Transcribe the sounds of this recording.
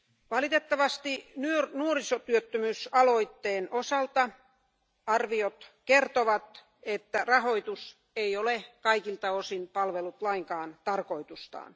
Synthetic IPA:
ʋɑlit̪et̪ːɑʋɑst̪inyørnuorisot̪yøt̪ːømysɑloit̪ːeːnosɑlt̪ɑ | ɑrʋiot̪kert̪oʋɑt̪ | et̪ːærɑhoit̪us | eiolekɑikilt̪ɑosinpɑlʋelut̪lɑiŋkɑːnt̪ɑrkoit̪ust̪ɑ̰ːn

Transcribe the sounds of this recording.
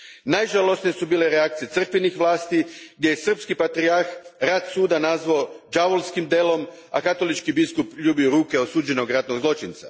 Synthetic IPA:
najʒalo̞snijesubiːle̞ɾeak̚t̪sije̞t̪sr̩kʋinixʋlaːst̪iɡ̚d̪ʲjejesr̩pskipat̪ɾiaɾxɾat̪suːd̪anazʋaod͡ʒaʋolˠskimd̪elo̞m | a̰kat̪o̞lit͡ʃkibiskupʎuːbioɾuːke̞osuːd͡ʒe̞no̞ɡɾat̪noɡzlo̞t͡ʃint̪sa̰

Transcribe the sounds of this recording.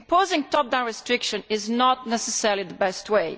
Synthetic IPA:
mpoːzɪ̃ŋtɔp̚d̪ãnɹɛstɹɪkʃə̃nɪznɔtnɛsɛsɛɹliðəbɛstweɪ

